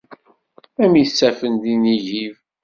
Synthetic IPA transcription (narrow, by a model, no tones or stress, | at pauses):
æmisːæfənd̪iniʝiv